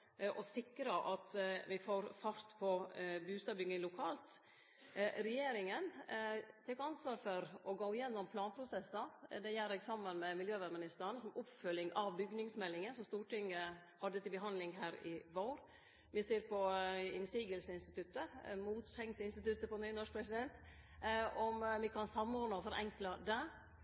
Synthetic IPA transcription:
ʔɔsɪkɾɑʔɑt̪ʋɪfoːɾfɑɾt̪pʰɔbʉːst̪ɑːbʏɡnɪŋlʊkʰɑːlt̪ | ɾɛjeːɾɪŋən | t̪ʰɛkɑnsʋɑːɾfɔɾʔɔɡoːɪjɛnːɔmpʰlɑːnpʰɾʊsɛsːɑd̪ɛjæɾɛɡsɑmːənmɛmɪljøːʋɛɾmɪnɪst̪əɳsɔmʊpfœlɪŋɑʋbʏɡnɪŋsmɛlːɪŋənsɔmst̪uːʈɪŋːəhɑd̪ːət̪ɪlbəɦɑnlɪŋɦæːɾɪʋoːɾ | ʋɪseːɾpɔɪnsiːɡəlsəɪnst̪ɪt̪ʉt̪ːəmuːt̪sɛŋsɪnst̪ɪt̪ʉt̪ːəpɔnyːnɔʂk̚pʰɾɛsɪd̪ɛnt̪ | ɔmʋɪkʰɑnsɑmːoːɾnəfɔɾʔɛ̰ŋklɑd̪ɛ

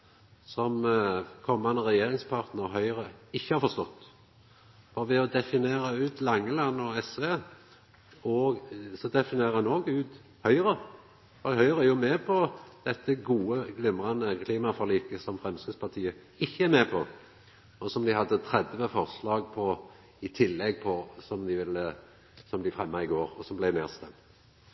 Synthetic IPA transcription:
sɔmkʰɔmːɑnəʁɛjeːʁɪŋspʰɑʁt̪nəɔɦœʏʁəɪçːəhɑɾfɔʁst̪ɔt̪ː | fɔɾʋɛɔd̪ɛfɪneːɾɑʉːt̪lɑŋːəlɑnːɔɛsʋeː | ɔsɔd̪ɛfɪneːʁəɛnoːɡʉːt̪ | hœʏʁə | fɔhœʏʁəæjʊmeːpʰɔd̪̥ɛt̪ːəɡuːəɡlɪmʁɑnəkʰliːmɑfɔɾliːkəsɔmfʁɛmskəspʰɑt̪ʰiːə | ɪçːəæɾmeːpʰɔ | ɔsɔmd̪ɪhɑd̪ːət̪ʰɾɛd̪ʋəfɔʁslɑːɡ̚pʰɔ | ɪt̪ʰɪlːɛɡ̚pʰɔsɔmd̪ɪʋɪlːə | sɔmd̪ɪfʁɛmːɑɪɡoːɾɔsɔmblɛɪmḛːʁst̪ɛmt̪

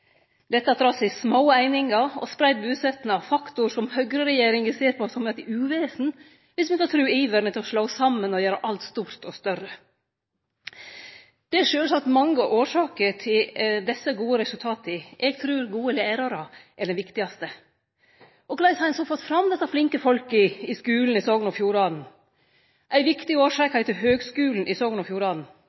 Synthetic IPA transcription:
d̪̥ɛt̪ːɑd̪ɾɑːsɛɪsmaʊæɪnɪŋɑɔ̰spɾæɪd̪̚bʉːsɛt̪nɑʋfɑkt̪ʊɾʂɔmhœɡɾəɾɛjeːɾɪŋɛseːɾpʰɔsɔmɛt̪ɪʉːʋeːsn̩ | ʋɪsmɛkɑt̪ʰɾʉːiːʋəɾɳət̪ʰɪlɔʂloʊsɑmːənɔjøːɾəʔɑlt̪st̪uːɾt̪ɔst̪œɾə | d̪̥ɛæʂøːlsɑkt̪mɑŋːəʔoːʂɑːkəɾʈʰɪld̪ɛsəɡuːəɾɛsʉlt̪ʰɑːt̪əʔɛɡ̚t̪ʰɾʉːɾɡuːəleːɾɑɾɑʔæɖɛnʋɪkt̪ɪɑst̪ə | ʔɔɡlɑɪsæɪnsɔfɔt̪ːfɾɑmd̪ɛsːɑflɪŋkəfɔlkɪɪskʉːln̩ɪsɔːɡnɔfjuːɾɑːd̪n̩ | ʔæɪʋɪkt̪ɪoːʂɑːkhæɪt̪ɪlɦøːɡskʉːln̩ʔɪsɔːɡnɔfjuːɾɑːd̪n̩

